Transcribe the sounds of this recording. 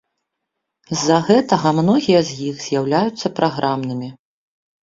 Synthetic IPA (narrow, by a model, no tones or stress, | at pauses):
zːɐɣɛt̪ɐɣɐmnɔɣʲijɐzʲjixz̥ʲjawlʲajut̪sːɐpɾaɣɾʔamnɨmʲi